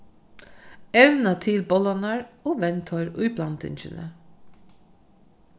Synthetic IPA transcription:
ɛʋnat̪ʰɪlbɔlanaɹoːʋɛnt̪ʰɔʏɾʊ̰jblant̪ɪ̰nt͡ʃɪ̰nə̰

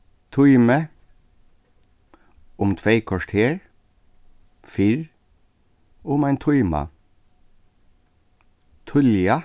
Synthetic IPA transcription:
t̪ʰʊʏmə | ʊmt̪ʰʋeɪkʰɔʂʈʰeːɹ | fɪɹ | ʊmæɪnt̪ʰʊʏmɑ̰ | t̪ʰʊljɑ

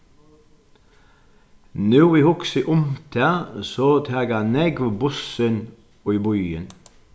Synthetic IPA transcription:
nuːʋiːhʊksəʔʊmt̪ʰæːsoːt̪ʰæːɡɑːneːɡʋobʊsən | oːiːbɔʏə̰n

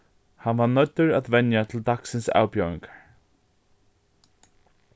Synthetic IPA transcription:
hanʋanœt̪ːʏɹat̪ʋɛnjat̪ʰɪld̪aksɪnsa̰ːwpjɔːwɪ̰ŋkḁɹ

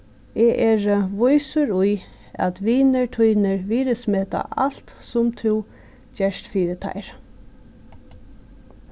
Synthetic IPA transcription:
ɛːʔɛːɹʋʊjsʊɾʊj | a̰t̪ʋiːnəɹt̪ʰujnɪɹʋiːɾɪsmɛːt̪a̰ʔal̥t̪sʊmt̪ʰuw | d͡ʒɛʂt̪fiːɾɪt̪ʰa̰jɾ

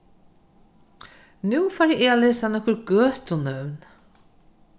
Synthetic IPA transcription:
nʉːfaɾɪʔeːalɛsanɔhkʊɾɡøːt̪ʊnœwn

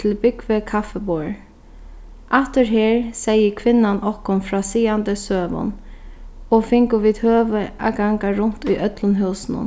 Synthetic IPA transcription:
ɪlbʏɡʋəkʰafəboːɹ | ʔaht̪əɹɦeːɹsɛjəkʰʋɪnːanʔɔhkʊnfɾɑːsiːand̪əsøːʋɔ̰n | oːfɪŋkʊʋiːd̪høːʋəʔa̰ɡaŋɡaɾʊn̥t̪ʊjʔœt̪lʊnɦœlsn̩ə̰n

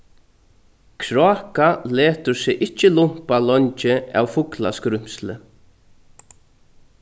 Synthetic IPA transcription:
kʰɾaːkaleːt̪ʊɾsɪʔɪt͡ʃːɪlʊm̥palɔɲt͡ʃɪa̰wfʊkla̰skɾʏm̥slɪ̰

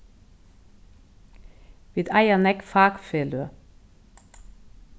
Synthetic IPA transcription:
ʋid̪ɑjɑnɛkfɑːkfeːlø

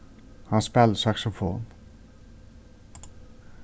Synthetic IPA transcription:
hɑnspɛlsɑksʊfo̰ːn

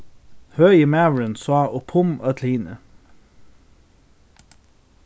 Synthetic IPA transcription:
hœjəmæɹənsɑːʔopʰʊmɑt̪ʰliːnə̰

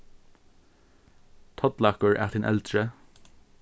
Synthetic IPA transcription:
t̪ʰɔd̪lakəɹʔa̰t̪ʰɪnʔɛ̰ld̪ɹə

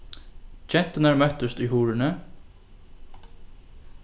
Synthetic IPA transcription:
t͡ʃʰɛn̥t̪ɪnaɹmœht̪ʏst̪ʏjɦuːɾɪnɪ

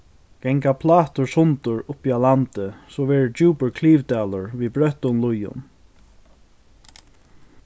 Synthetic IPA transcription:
kɛŋkapʰlaːt̪ʊɹsʊnt̪ʊɹʊpialant̪ɪsɔːʋɛːɹɪt͡ʃuːpɪɹkʰliːvt̪aːlʊɹviːbɾœht̪ʊnlʊjʊ̰n

